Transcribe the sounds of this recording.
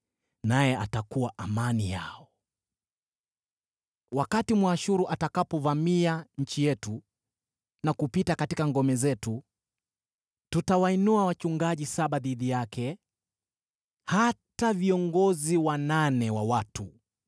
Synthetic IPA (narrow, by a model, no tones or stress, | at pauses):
najɛʔatakuwaʔamanija̰ɔ | wakatimwaːʃuɾuʔatakapɔvamiaɲ̩t͡ʃijɛtu | nakupitakatikaŋɡɔmɛzɛtu | tutawainuawat͡ʃuŋɡaʄisaɓaðiðijakʰɛ | hataviɔŋɡɔziwananɛwawatu